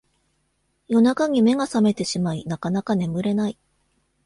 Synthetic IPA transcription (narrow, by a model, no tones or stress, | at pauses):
jo̞nakaɲ̟ime̞ɡasame̞t̪e̞ɕimainakanakane̞mɯ̟ɾe̞nai